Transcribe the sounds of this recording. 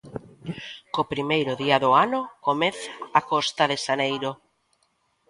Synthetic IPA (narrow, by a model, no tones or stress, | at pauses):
kopɾimejɾʊðiaðʊanʊkomeθaːkɔst̪aðeʃanejɾʊ